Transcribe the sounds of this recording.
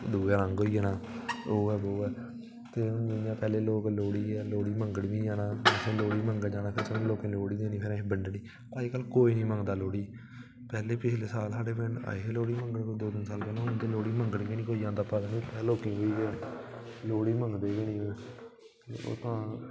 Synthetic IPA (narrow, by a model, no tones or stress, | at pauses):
d̪uːɡaːɾãŋɡɦoːiɛːnaːoːɛːboːɛː | t̪eːd͡ʒɪnjãːpɛːleːloːkloːɽiːɛːloːɽiːməŋɡəɽʋĩːd͡ʒaːnaːɛsẽːloːɽiːməŋɡɛːd͡ʒaːnaːpʰɪɾsənːloːkẽːloːɽiːd̪eːnĩːpʰɪɾãːbəɳɖniː | t̪aːiːkəlːkoːiːnĩːmə̃ŋɡd̪aːloːɽiː | pɛːleːpɪʃʰleːsaːlsaːɖeːpɪna̰ːeloːɽiːməŋɡəɽkoːd̪oːd̪ɪnsaːlpɛːleːnãːd̪eːloːɽiːməŋɡəɽɡeːnĩːkoːijãːd̪aːpad̪aːnĩːpɛːloːkĩːɦoiːɡe | loːɽiːməŋɡd̪eːɡenĩːoɛ | t̪eːo̰ːt̪ãː